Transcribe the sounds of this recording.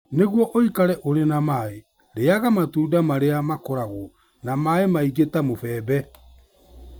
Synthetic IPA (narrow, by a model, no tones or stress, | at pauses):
neɣwɔʔoikaɾɛʔoɾenamae | ɾeaɣamatuːdamaɾeamakɔɾaɣo | namaemaiɣetamofɛːbɛ